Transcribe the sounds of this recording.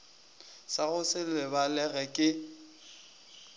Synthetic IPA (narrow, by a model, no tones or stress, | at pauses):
saɣʊsɪlɪbalɛɣɛkʼɪ